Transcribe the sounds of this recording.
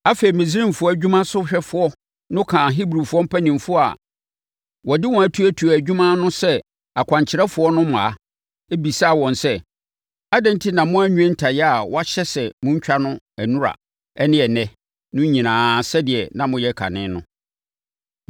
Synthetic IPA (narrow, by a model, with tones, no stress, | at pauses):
a˦fe˨i˨mɪ̃˨zɪ˦ɾĩ˦m˨fʊ˦ɔ˦æ˨d͡ʑᶣu˦mã˦sʊ˦ɕᶣɛ˦fʊ˨ɔ˦ | nʊ̃˦kʰã˨ɦi˦bɾi˨fʊ˦ɔ˦m̩˦pʰæ˦nĩ˨mfʊ˦ɔ˦a̰˨ | wɔ˨dɪ˦wɔ̃˨æ˨˦tʰu˦æ˦tʰu˨æ˨d͡ʑᶣu˦mã˦nʊ̃˦sɛ˦ | a˨kʷʰã˨ɲt͡ɕʰɪ˨ɾɛ˦fʊ˨˦ɔ˦nʊ̃˦mã˨a˦ | e˦bi˨sa˦˨wɔ̃˨nsɛ˦ | a˦dɛ̃˦n˦tʰɪ˦nã˨mʊ̃˦æ˦ɲᶣũ˦ɛ̃˦n̩˦tʰa˨jɛ˦a˨wɔ˦a˦ɕɛ˦sɛ˨mʊ̃˦ɲ̩˦t͡ɕᶣa˦nʊ̃˦ | æ˨nũ˦ɾa̰˨ | ɛ˦nɪ̃˦ɛ˨nɛ̃˨ | nʊ̃˦ɲĩ˨nãː˨sɛ˦dɪ˨ɛ˨nã˨mʊ̃˨jɛ˦kʰa̰˨nɪ̰̃ː˦nʊ̰̃˦